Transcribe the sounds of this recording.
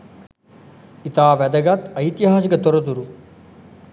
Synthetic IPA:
it̪aːʋɐd̪ɐɡat̪ɐjt̪iɦaːsikɐt̪ɔɾɐd̪uɾu

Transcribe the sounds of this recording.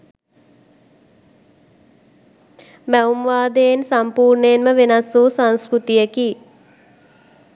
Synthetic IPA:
mæumʋaːd̪ejensampuːrɳenməʋenasuːsanskɾut̪ijəki

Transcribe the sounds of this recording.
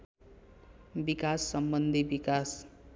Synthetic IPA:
bikasːʌmbʌnd̪ʱibikas

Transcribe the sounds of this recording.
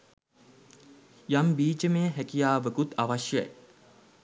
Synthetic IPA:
jambiːt͡ʃəmeɦækijaːʋəkut̪aʋaʃjə̰j

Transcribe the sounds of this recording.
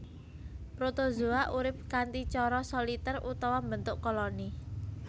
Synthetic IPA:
pɾot̪ozuaʔuɾɪp̚kant̪it͡ʃɔɾɔsɔlit̪ərut̪ɔwambənt̪ʊʔkɔlɔni

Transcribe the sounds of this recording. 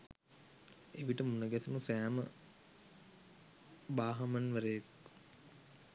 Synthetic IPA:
eʋiʈəmunəɡæsimusæːmə | baːɦamɐnʋəɾəjek

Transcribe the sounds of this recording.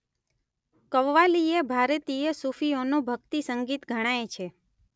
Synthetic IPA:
kəʋʋaliebʱaɾət̪iesufionũbʱəɡt̪isəŋɡit̪ɡʱəɽ̃aet͡ʃʰe

